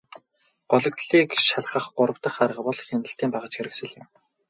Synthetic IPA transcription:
ɢɔɮɞ̆kt̪ɮiːkʃaɮχə̆χɢʊɾə̆wt̪ə̆χaɾʁə̆pɔɮxʲenə̆ɬt̪iːmpaʁə̆t͡ɕxeɾɘ̆ksɘ̆ɮɪ̆m

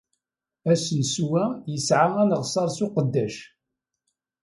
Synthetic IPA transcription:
æsnswæjəsʕamænəʁsˤɑɾˤsuqəd̪ːæʃ

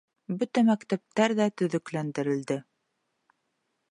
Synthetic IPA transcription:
bɵt̪æmækt̪æp̚t̪æɾðæt̪ɵ̆ðɵ̆klænd̪ɘ̆ɾɘ̆ld̪ɘ

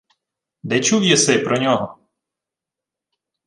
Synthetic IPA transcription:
d̪ɛt͡ʃuwjɛsɛjpɾɔnʲɔɦɔ

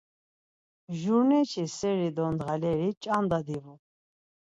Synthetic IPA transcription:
ʒuɾnɛt͡ʃʰisɛɾid̪ɔnd̪ʁalɛɾit͡ʃʼand̪ad̪ivu

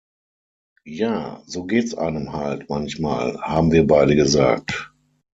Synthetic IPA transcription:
jaːzoːɡeːtsʔa̰ɪnəmha̰ltmançma̰ːlhaːbm̩viːɐbaɪdəɡəza̰ːk̚t

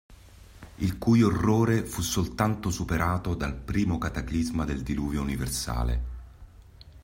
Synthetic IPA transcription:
ilkujorːoːɾefusːolt̪ant̪osupeɾʔaːt̪od̪alpɾiːmokat̪aklizmad̪eld̪iluːvjouniversa̰ːlḛ

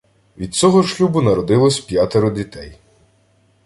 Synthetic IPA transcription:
ʋʲid̪̚t͡sʲɔɦɔʃlʲubʊnɐɾɔd̪ɪlˠɔsʲpʲjat̪eɾʊdʲit̪ɛj

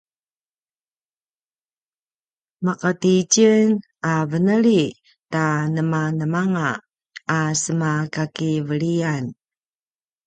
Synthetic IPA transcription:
maqəticən | avənəɭi | tanəmanəmaŋaː | səmakakivəɭian

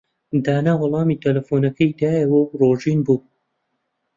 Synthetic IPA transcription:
d̪aːnawɑlˠɑːmiːt̪ʰɐlɐfoːnɐkɐjd̪aːjewɐwroːʒiːnbuː

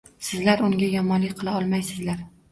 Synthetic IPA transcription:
sɪzlaɾʊŋɡʲajɒmɒnlɪk̚ʲqʰɨlˠaɒlˠmajsɪzlaɾ

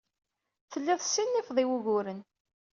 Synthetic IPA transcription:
θəlːiðˤsːinːifðˤiwuʝʊɾən

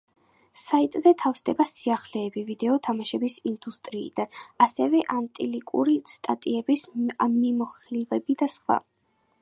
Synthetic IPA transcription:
sait̪ʼzɛt̪ʰafsd̪ɛbasiaχlɛːbivid̪ɛɔt̪ʰamaʃɛbisind̪ust̪ʼɾḭːd̪̥anasɛvɛʔant̪ʼilikʼṵɾist̪ʼat̪ʼiɛbismimɔχlivɛbid̪asχwa̰

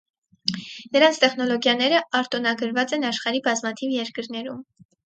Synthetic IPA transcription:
nəɾɑnt͡sʰt̪ɛχn̪ɔlɔɡjɑnɛɾəʔɑɾt̪ɔnɑɡəɾvɑt͡sɛnɑʃχɑɾibɑzmɑt̪ʰivjɛɾkəɾnɛɾum

